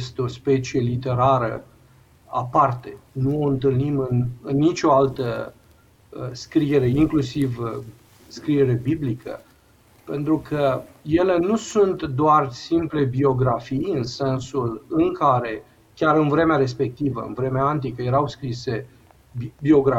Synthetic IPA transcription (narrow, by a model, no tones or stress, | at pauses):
st̪eo̞spe̞t͡ʃie̞lit̪e̞ɾaɾə̰ | a̰part̪e̞nuo̞ɨnt̪ɨlnimɨnɨnːit͡ʃʲo̞alt̪ə | skɾieɾe̞iŋklusiv | skɾie̞ɾe̞biblikʰə̰ | pe̞nt̪ɾukʰəje̞le̞nusunt̪d̪oarsimple̞bio̞ɡɾafijɨnse̞nsulɨŋkaɾe̞ | kʲaɾɨnvɾe̞meaɾe̞s̬pe̞k̚t̪ivə̰ɨ̰nvɾe̞meaːnt̪ikəje̞ɾawskɾise̞ | bio̞ɡɾa